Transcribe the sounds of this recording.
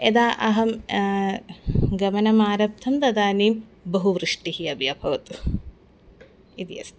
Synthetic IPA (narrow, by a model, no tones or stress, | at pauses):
ed̪aːʔɐɦɐm | ɡɐmɐnɐmaːɾɐp̚t̪ʰɐmd̪ɐd̪aːniːmbɐɦuʋɾɨʂʈihiɐbijɐbʱɐʋɐt̪u̥ | id̪ijɐ̰st̪